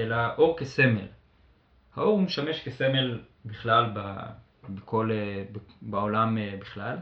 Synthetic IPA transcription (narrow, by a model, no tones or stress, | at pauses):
elaʔo̞ʁkese̞mḛl | hao̞ʁumeʃame̞ʃkese̞me̞l | biχlalba | beko̞lebebaolamebiχlal